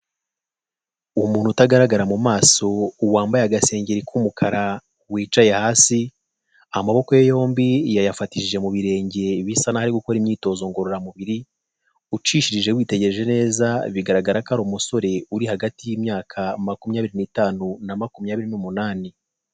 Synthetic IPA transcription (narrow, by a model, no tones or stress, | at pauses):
umuːnhutaɡaɾaɡaɾamumaːso̞uwaːmbajaɡase̞ːɲɟeɾikʰumukʰaɾa | wiːt͡ʃajehaːsi | amaβo̞kojejo̞ːmbijajafatiʒiʒe̞muβiɾe̞ːɲɟe̞βisanahaɾiɡuko̞ɾimɲiːto̞ːzo̞ŋɡo̞ɾoɾamuβiɾi | ut͡ʃiʃiɾiʒe̞wiːte̞ɟe̞ɾe̞ʒe̞ne̞ːzaβiɡaɾaɡaɾakaɾomuso̞ɾe̞uɾihaɡatijiːmɲaːkʰamakumɲaːβiɾiniːtaːnunamakumɲaːβiɾinumunaːni